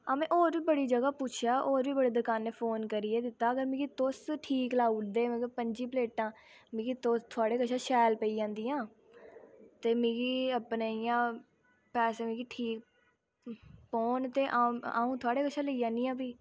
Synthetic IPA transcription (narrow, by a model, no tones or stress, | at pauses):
amẽːʔoːɾʋiːbəɽiːd͡ʒəɡaːpuːt͡ʃʰjaːʔoːɾʋiːbəɽeːd̪əkaːnːeːpʰoːnkəɾieːd̪ɪt̪ːaːəɡəɾmĩːɡiːt̪osʈʰiːklaːuʈd̪eːmẽːɡəpəɲd͡ʒiːpəleːʈãː | mɪ̃ːɡiːt̪ost̪ʰʊaːɽeːkəʃʰãːʃɛːlpəiːd͡ʒãːnd̪iːãː | t̪eːmĩːɡiːəpneːijãː | pɛːseːmĩːɡiːʈʰiːk | poːnt̪eːʔaa̰ːũːt̪ʰʊaːɽeːkəʃʰãːləiːd͡ʒãːnd̪iːãːpiː